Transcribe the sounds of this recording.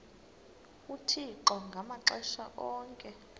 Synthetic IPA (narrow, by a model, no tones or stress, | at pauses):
utʰiǃɔŋɡʱamaǁɛʃa̰ʔɔːŋkʼɛ